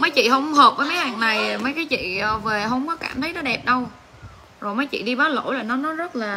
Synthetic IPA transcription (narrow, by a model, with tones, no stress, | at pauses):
mə˨˦jt͡ɕḭ˧˨hə˧wŋ͡mhəː˨˩p̚vəː˨˦jmə˨˦haː˨˩ŋna˨˩jmə˨˦jkaː˨˦jt͡ɕḭ˧˨əː˨˩ve˨˩ɦə˧wŋ͡mkɔ˨˦kaː˧˩mt̪ʰə˨˦jnɔ˨˦ɗɛ˨˩p̚ɗə˧w | zo˨˩jməː˨˦jt͡ɕḭ˧˨ɗi˧ɓaː˨˦lo̰˧˥jlaː˨˩nɔ˨˦nɔ˨˦zə˦˥t̚laː˨˩